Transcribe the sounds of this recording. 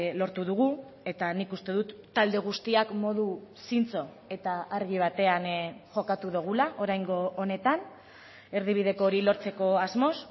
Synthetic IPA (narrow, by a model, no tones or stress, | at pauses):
lo̞ɾt̪uðuɣ̞u | e̞t̪anikust̪e̞ðut̪ːald̪e̞ɣ̞ust̪iakmo̞ðusint͡so̞ | e̞t̪aaɾɣ̞iβ̞at̪e̞anʝo̞kat̪uðuɣ̞ulaʔo̞ɾajŋɡo̞ʔːne̞t̪an | e̞ɾð̞iβ̞ið̞e̞ko̞ɾilo̞ɾt͡se̞ko̞azmo̞s